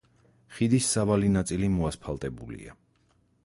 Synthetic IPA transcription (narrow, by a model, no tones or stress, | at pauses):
χid̪isːavalinat̪sʼilimɔaspʰalˠt̪ʼɛbṵlḭa̰